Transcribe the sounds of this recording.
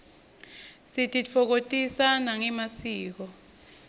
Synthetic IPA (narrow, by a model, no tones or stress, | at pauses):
sitʼit͡fʰɔk̬otʼisanaŋɛmasiːk̬ɔ